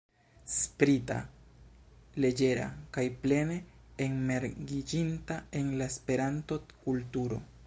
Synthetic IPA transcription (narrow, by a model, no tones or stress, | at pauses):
spɾita̰ | le̞d͡ʒe̞ɾa̰kajple̞ne̞ːnme̞ɾɡid͡ʒintae̞nlaespe̞ɾanto̞kultuɾo̞̰